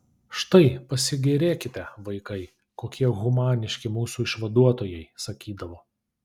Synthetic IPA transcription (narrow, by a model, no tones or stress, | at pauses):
ʃt̪ɐɪpɐsʲɪɡʲɛɾʲeːkʲɪt̪ʲɛʋɐɪkɐɪ | koːkʲiɛɣʊmɑːnʲɪʃʲkʲɪmuːsuːɪʃʋɐd̪uɔt̪oːjɛɪsɐkʲiːd̪ɐʋoː